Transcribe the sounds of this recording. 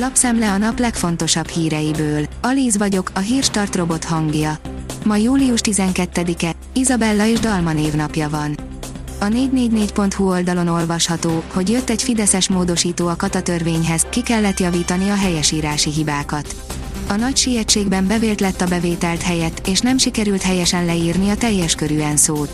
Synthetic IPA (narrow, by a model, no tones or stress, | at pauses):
lɒpsɛmlɛɒnɒplɛkfo̞nt̪o̞ʃɒbhiːɾɛjibøːlɒliːzvɒɟo̞kɒɦiːrʃt̪ɒrt̪ro̞bo̞t̪hɒŋɡjɒmɒjuːliuʃt̪izɛŋkɛt̪ːɛd̪ikɛ | izɒbɛlːɒeːʒd̪ɒlmɒneːvn̪ɒpjɒvɒn | ɒneːɟneːɟneːcpo̞nt̪huo̞ld̪ɒlo̞no̞lvɒʃhɒt̪oːho̞ɟjøt̪ːɛɟfid̪ɛsɛʃmoːd̪o̞ʃiːt̪oːɒkɒt̪ɒt̪ørveːɲɦɛz̥kikɛlːɛt̪jɒviːt̪ɒniɒɦɛjɛʃiːɾaːʃiɦibaːkɒt̪ | ɒnɒcʃijɛt͡ʃːeːɡbɛmbɛveːlt̪lɛt̪ːɒbɛveːt̪ɛlt̪ɦɛjɛt̪ːeːʃnɛmʃikɛɾylt̪ɦɛjɛʃɛnlɛiːrniɒt̪ɛjːɛʃkøɾyːɛnsoːt̪